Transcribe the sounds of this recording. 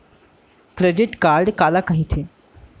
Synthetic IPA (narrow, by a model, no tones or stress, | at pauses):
kɾeɖɪʈkaːɾɖkaːlakɐɦĩt̪ʰeː